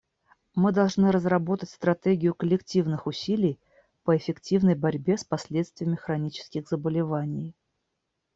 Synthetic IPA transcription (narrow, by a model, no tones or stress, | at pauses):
mɨd̪ɐlˠʐnɨɾəzrɐbo̞t̪ətʲst̪ɾɐt̪eɡʲɪjʊkəlʲɪktʲivnɨxʊsʲilʲɪj | pəɪfʲɪktʲivnəjbɐɾʲbʲe̞spɐsʲlʲet̪st̪vʲɪjəmʲɪxɾɐnʲit͡ɕɪ̥skʲɪɣzəbəlʲɪvanʲɪj